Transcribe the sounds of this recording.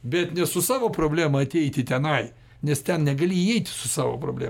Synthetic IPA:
bʲɛt̪nʲɛsʊsɑːʋoːpɾoːbʲlʲæːmɐɐt̪ʲɛɪt̪ʲɪt̪ʲɛnɐɪ | nʲɛst̪ʲɛnnʲɛɡɐlʲɪiɛɪt̪ʲɪsʊsɑːʋo̰ːpɾo̰ːbʲlʲæ̰

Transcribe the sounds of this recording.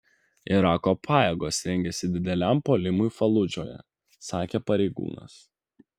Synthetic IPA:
ɪɾɑːkoːpʰɑːjeɡoːsɾʲɛŋʲɡʲɛsʲɪd̪ʲɪd̪ʲɛlʲæˑmpoːlʲɪmʊɪfɐlˠʊd͡ʒʲoːjɛ̰ | sɑːkʲeːpɐɾʲɛɪɡṵːnɐ̰s

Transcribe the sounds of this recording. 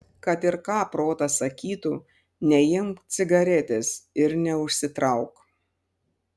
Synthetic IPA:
kɐt̪ɪɾkɑːpɾoːt̪ɐsɐkʲiːt̪uː | nʲɛjɪmk̪sʲɪɡɐɾʲɛt̪ʲesɪɾnʲɛʊʃʲsʲɪt̪ɾɐʊk

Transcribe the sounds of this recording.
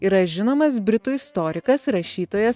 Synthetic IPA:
iːɾɐʒʲɪnoːmɐs̬bʲɾʲɪt̪uːɪst̪oːɾʲɪkɐsɾɐʃʲiːt̪oːjɛs

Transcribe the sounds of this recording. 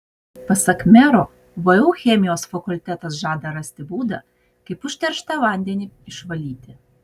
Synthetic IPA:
pɐsɐkmʲɛɾoː | ʋɐuːxʲɛmʲɪjoːsfɐkʊlʲt̪ʲæt̪ɐsʒɑːd̪ɐɾɐsʲt̪ʲɪbuːd̪ɐ | kɐɪpʊʃʲt̪ʲɛɾʃt̪ɐʋɐˑnʲd̪ʲɛnʲiɪʃʋɐlʲiːt̪ʲɪ

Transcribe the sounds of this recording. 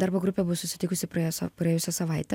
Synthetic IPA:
d̪ɑːɾboːɡɾʊpʲebʊʋɐsʊsʲɪt̪ʲɪːkʊsʲɪpɾɐjosɐ̰pɾjɛjʊsʲɛsɐʋɐɪt̪ʲɛ

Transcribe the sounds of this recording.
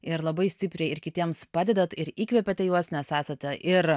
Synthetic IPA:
ɪɾlˠɐbɐɪsʲt̪ʲɪpʲɾʲɛɪɪɾkʲɪt̪ʲiɛmspɑːd̪ʲɛd̪ɐt̪ɪɾiːkʋʲɛpʲɛt̪ʲɛjuɔsnʲɛsæːsɐt̪ʲɛʔɪɾ

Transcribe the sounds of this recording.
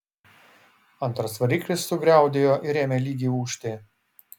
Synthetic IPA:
ɐnt̪ɾɐsʋɐɾʲiːklʲɪsːʊɡɾʲæˑʊd̪ʲeːjoːʔɪɾʲeːmʲeːlʲiːɡʲiːuːʃʲt̪ʲeː

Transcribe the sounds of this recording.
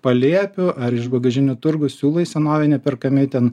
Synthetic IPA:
pɐlʲiɛpʲʊʔɐɾɪʃbɐɡɐʒʲɪnʲʊt̪ʊɾɡʊsʲuːlˠɐisʲɛnoːʋʲɛnʲɛpʲɪɾkɐmʲɪt̪ʲɛn

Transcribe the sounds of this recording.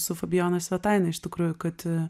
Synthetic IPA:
sʊfɐbʲɪjoːnɐsʲʋʲɛt̪ɐɪnɐɪʃt̪ʲɪkɾuːjʊkɐt̪

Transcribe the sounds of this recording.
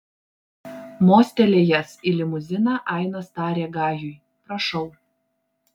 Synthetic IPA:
moːsʲt̪ʲɛlʲeːjɛsɪlʲɪmʊzʲɪnɑːʔɑˑɪnoːst̪ɑːɾʲeːɡɑːjʊj | pɾɐʃɒʊ

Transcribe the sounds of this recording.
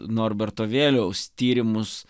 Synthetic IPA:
noːɾbʲɛɾt̪oːʋʲeːlʲɛʊst̪ʲiːɾʲɪmʊs

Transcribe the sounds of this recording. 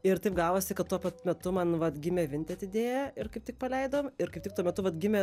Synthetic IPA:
ɪrt̪ɐɪpɡɑːʋoːsʲɪkɐt̪tːuɔpɐt̪mʲɛt̪ʊmɐnʋɐt̪ɡʲɪmʲɛʋʲɪnʲt̪ʲɛɐt̪ʲɪd̪ʲeːjɛɪrkɐɪp̚tʲɪk̚pɐlʲɛɪd̪oːmɪrkɐɪp̚ʲtʲɪkt̪uɔmʲɛt̪ʊʋɐt̪ɡʲɪmʲɛ

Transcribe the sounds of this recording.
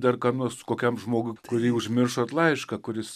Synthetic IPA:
d̪ɐrkɐnuɔskoːkʲɛmʒmoːɡʊɪkʊɾʲiːʊʒʲmʲɪrʃoːt̪lˠɐɪʃkɐkʊɾʲɪs

